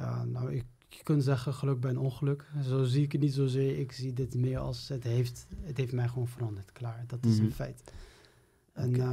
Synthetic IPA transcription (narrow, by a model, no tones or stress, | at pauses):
ja̰ːna̰wɪk | əkənzɛχəχəlɵk̚bɛjənɔnχəlɵkzowziɪkətnitzowzɪːɹɪkz̥idɪtmɪːəɹɑ̰lˠsətɦejftətɦeftmɛjχəʋoːnvərɑndəɹtklaːɹdɑtɪsənfɛjt | ɛn